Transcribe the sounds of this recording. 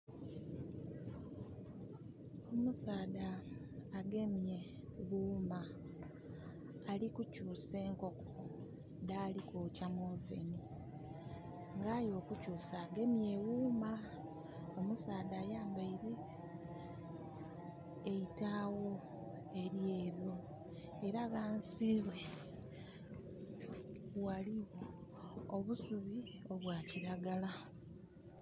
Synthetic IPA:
o̞musaːdaː | ɡe̞mje̞ | ɣuːma | likucuːse̞ːŋko̞ko̥ | daːlikoːcamovḛni | ŋɡajo̞ːkucuːsaːɡe̞mje̞wuːma | omusaːdaːjaːmbaiɾi | eitaːwo̞ | e̞ɾje̞ːβjo̞ | eɾaɣaːnsiβe | waliɣo | oβusuβio̞βwaːciɾaɡala

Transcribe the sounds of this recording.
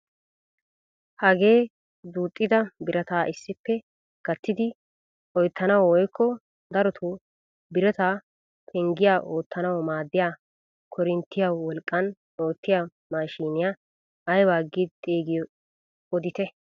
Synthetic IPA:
hɐɡe̞ː | d̪uːt̪ʼːɪd̪ɐbɪɾʔɐt̪aːʔɪsːɪpːɛ | ɡ̥ɐt̪ːɪd̪ɪ | ɔjt̪ʰːɐnɐwɔɔjkʰːɔ | d̪ɐɾɔt̪ʰu | bɪɾɛt̪aː | pʰɛŋɡɪjaːʔo̞ːt̪ːɐnɐwɔmaːd̪ːɪjaː | kʰɔɾɪnt̪ːɪjawwɔlkʼːɐn | oːt̪ːɪja | maːʃiːnɪjaː | jwaːɡɪt̪ʼeːɡɪjɔ | ɔd̪ɪt̪ɛ

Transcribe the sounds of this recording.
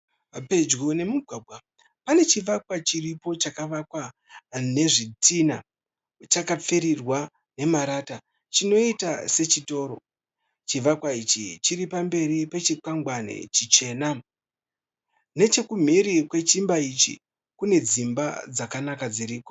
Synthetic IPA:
pe̞d͡ʒɡune̞muɡʱwabʱwa | pane̞t͡ʃiʋakwat͡ʃiripo̞t͡ʃakaʋakwa | ne̞ʐitina̰ | t͡ʃakap͡feɾirwa | ne̞maɾaːta | t͡ʃino̞itase̞t͡ʃito̞ːɾo̞̰ | t͡ʃiʋakwait͡ʃḭt͡ʃiɾipambe̞ɾipe̞t͡ʃikaŋɡwane̞̰t͡ʃit͡ʃe̞ːna | ne̞t͡ʃe̞kum̤iɾikwe̞t͡ʃimbait͡ʃḭ | kune̞d͡zimbad͡zakanakad͡ziɾiːko̞

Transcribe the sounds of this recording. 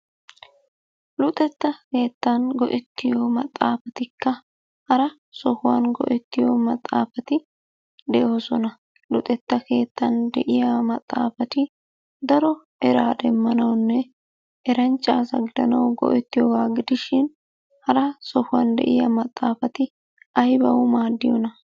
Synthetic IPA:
lʊt̪ʼɛt̪ːɐke̞ːt̪ːɐnɡɔʔɛt̪ːɪjoːmɐt̪ʼːaːfɐt̪ɪkːɐ | hɐɾɐ | sɔhʊwaːnɡɔ̰ʔɛt̪ːɪjoːmɐt̪ʼːa̰ːfɐt̪ɪ | d̪ɛʔo̞ːsɔnɐ | lʊt̪ʼɛt̪ːɐke̞ːt̪ːɐnd̪ɛʔɪjamɐt̪ʼːa̰ːfɐt̪ɪ | d̪ɐɾɔ | ɛɾaːd̪ɛmːɐnɐwnːɛ | ɛɾɐnt͡ʃʼːaːsɐɡɪd̪ɐnɐwɡɔ̰ʔɛt̪ːɪjɔɡaːɡɪd̪ɪʃɪn | hɐɾɐsɔhʊwa̰nd̪ɛ̰ʔɪjɐmɐt̪ʼːaːfɐt̪ɪ | ɐjbɐ̰wʊmaːd̪ːɪjɔ̰nɐ

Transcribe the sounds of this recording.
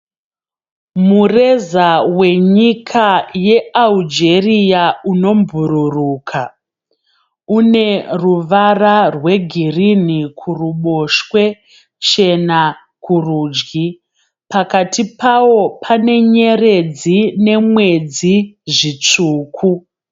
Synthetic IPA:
mure̞zawe̞ɲikʰaje̞ald͡ʒerijauno̞mbʱuɾuruːkʰa | une̞ruʋararwe̞ɡʱirinikʰuruɓo̞ʃwe̞ | t͡ʃe̞na | kuruːd͡ʒɡi | pakatipawo̞pʰane̞ɲe̞re̞d͡zine̞mwe̞d͡ziʐit͡ʂuːkʰu

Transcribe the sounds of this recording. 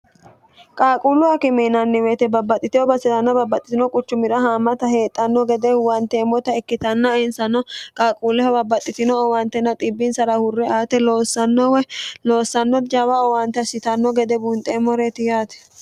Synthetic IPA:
kʼaːkʼuːlʊɐkɪmɛnɐnːɪweːt̪ɛbɐbːɐt̪ʼːɪt̪ɪjɔbɐsɪt̪ɐnːɐbɐbːɐt̪ʼːɪ̥t̪ɪnɔkʼʊt͡ʃːʊmɪɾɐɦaːmɐt̪ɐhe̞ːt̪ʼːɐnːɔɡɛd̪ɛwɐnt̪ɛmɔt̪ɐɛkːɪt̪ɐnːɐɪnsɐnɔkʼaːkʼuːlɪhɐbɐbːɐt̪ʼːɪt̪ɪnɔwɐnt̪ɛnːɐt̪ʼɪbːɪnsɐɾɐhʊrːɛaːt̪ɛloːsːɐnːɔwɛloːsːɐnːɔd͡ʒɐβɐɔwant̪ːɛɐsɪt̪ɐnːɔɡɛd̪ɛbunt̪ʼeːmɔɾet̪ɪjaːt̪ɛ̥

